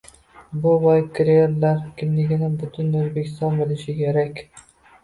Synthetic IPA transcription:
bʊvajkʲʰɾeeɾlaɾkʲʰɪmlɪɡʲɪnɪbʊt̪ʰʊnɵzbekʲʰɪ̥st̪ɒnbɪlɪʃɪkʲʰeɾakʲ

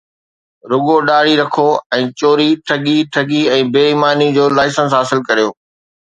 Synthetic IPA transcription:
ɾʊɠoɗaːɽ̤iɾɐkʰoɛ̃ːt͡ɕoːɾiʈʰɐɠiʈʰɐɠiɛ̃ːbeːimaːnid͡ʑoːlaːɪsə̃ns̬ɦaːsɪlkɐɾijoː

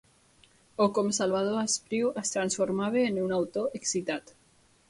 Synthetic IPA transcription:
okomsalβað̞oaspɾiwast̪ɾansfoɾmaβ̞eːnunawt̪oʔeksit̪at̪

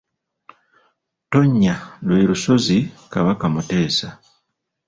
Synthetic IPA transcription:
to̞ɲːalwe̞ːɾuso̞zikaβakamute̞ːsa

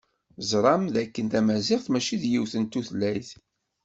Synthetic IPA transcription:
zɾˤɑmðækːənt̪æmæzɪʁθmæʃiðjiwθənt̪ːuθlːæjθ

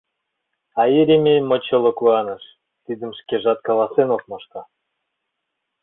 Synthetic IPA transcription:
ɑiɾʲimʲejmot͡ɕɤ̆lˠŏkuɑnə̆ʃ | t̪id̪ə̆mʃkeʒɑt̪̚kɑlˠɑsenok̚mɤʃk̪ɑ

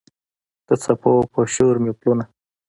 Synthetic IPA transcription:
t̪ət͡sapʰopəʃoɾmepluna

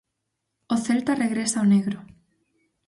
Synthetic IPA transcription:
oθelt̪areɣɾesaoneɣɾʊ

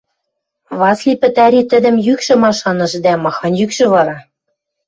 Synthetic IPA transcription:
βɑslʲipɘ̆t̪æɾʲit̪ɘ̆d̪ɘ̆mjykʃɘ̆mɑʃɑnɤ̆ʃd̪æmɑxɑnjykʃɘ̆βɑɾɑ

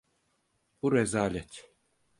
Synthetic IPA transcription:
b̥uɾɛzaːlʲɛt̪

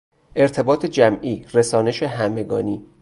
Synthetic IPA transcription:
ʔe̞ɾt̪ʰe̞bɒːt̪ʰed͡ʒæmʔiːresɒːne̞ʃeɦæme̞ɡɒ̰ːniː

